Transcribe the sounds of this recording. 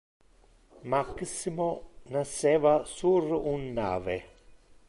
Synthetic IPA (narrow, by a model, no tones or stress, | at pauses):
maksimonasevasuɾunːa̰ːve